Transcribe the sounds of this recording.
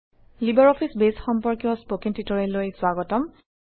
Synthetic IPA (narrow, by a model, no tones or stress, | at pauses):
libaɹɔpʰisbesxɔmpɔɹkjɔspokintitɔɹɛlojswaɡɔtɔm